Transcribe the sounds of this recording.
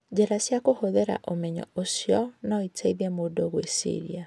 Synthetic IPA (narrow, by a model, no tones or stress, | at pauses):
d͡ʒɛɾasjakohoðɛɾa̰ʔomɛɲɔ̰osjɔnaɔitʰaiðjɛmodoɣwesḭɾḭa